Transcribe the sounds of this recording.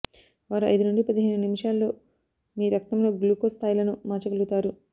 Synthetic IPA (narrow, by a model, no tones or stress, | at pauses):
ʋaːɾuɐ̰jd̪unuɳɖipɐd̪iɦɐjnunimiʂaːlːo̞ː | miːɾɐk̚t̪ɐmlo̞ːɡluːkoːst̪ʰaːjilɐnumaːt͡ʃɐɡɐlɡut̪aːɾu